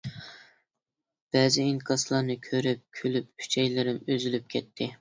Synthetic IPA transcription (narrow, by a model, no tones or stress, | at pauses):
b̥ɛzɪiŋkʰɑslˠɑɾnɨkʲʰøɾyp̚kʲʰølyp̚kʰy̥t͡ʃʰɛjlɪɾɪmøzylyp̚kʲʰɛt̪ʰːɪ